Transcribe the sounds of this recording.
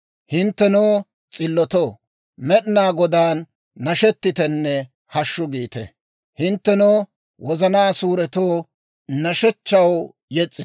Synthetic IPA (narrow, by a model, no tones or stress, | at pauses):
hɪnt̪ːɛnoː | t͡sʼɪlːɔt̪oː | mɛɗnaːɡɔd̪aːnː | ɐʃɛt̪ːɪt̪ɛnːɛ | hɐʃːʊɡiːt̪ɛ̰ | hɪnt̪ːɛnoː | wʔɔzɐnaːsuːɾɛt̪oː | nɐʃɛt͡ʃːɐw | jɛt͡sʼːɪ